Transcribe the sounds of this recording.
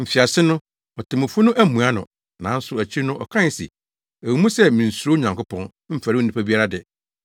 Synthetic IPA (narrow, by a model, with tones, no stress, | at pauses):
m̩˨fi˨a˨sɪ˦nʊ̃˦ | ɔ˨tʰɪ̃˨mʊ̃˨fʊ˦nʊ̃˦ʔæ˦mũ˨a˦nʊ̰̃˨ | nã˨˦n̩˦sʊ˨æ˨t͡ɕʰi˦nʊ̃˦ʔɔ˨kʰã˦n˨sḭ˨ | æ˨wu˨mũ˦sɛ˦mĩ˨n̩˨su˨˦ɾo˦ɲã˨ŋkʊ˦pʰɔ̃˦n | m̩˦fa˨ɾɪ˦u˦nĩ˨pʰa˦bi˦a˦ɾa˦dɪ˨